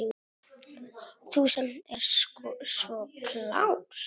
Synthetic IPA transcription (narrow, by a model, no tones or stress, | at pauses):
t̪ʰuːsanɛɾ̥skɔsvɔkʰla̰w